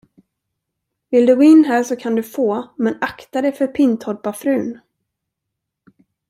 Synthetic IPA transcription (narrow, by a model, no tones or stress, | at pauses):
vɪld̪ɵɡoːɪnːɦæːʂɔkʰand̪ɵfoːmɛnakt̪ad̪ɛfœɾpʰɪnt̪hɔɾ̚bafɾʉ̟ːn